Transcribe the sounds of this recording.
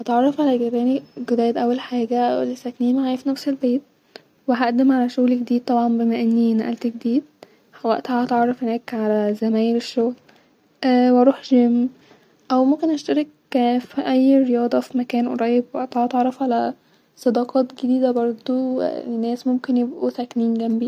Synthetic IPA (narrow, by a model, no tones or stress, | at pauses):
hɑt̪ʕɑrˤːɑfʕalæɡeɾːæːniɡod̪æːjd̪ʔæwːælħaːɡæwelesækniːmʕaːjfinæfselbeːt̪̚ | weɦæʔd̪emʕalæʃoɣleɡed̪iːd̪̚t̪ˤɑbʕɑmbemæʔenːiːnʔæ̰lt̪eɡed̪iːd̪̚ | hæwæʔt̪hæɑt̪ʕɑrˤːɑfhenæːkʕalæzæmæːjeɾeʃːoɣl | ʔwɑɾˤuːħɡemː | ʔæwmomkenʔæʃt̪æɾek | fiʔæjːɾejɑːd̪ˤɑfimækæːnwḛɾˤɑːjebt̪eʕɑt̪eʕɾˤːɑfʕalæ | sˤɑd̪ɑːqʰɑːt̪ɡed̪iːd̪æbɑɾˤd̪ˤo̰nːæːsmomkenjebʔut̪ækniːnɡæmbi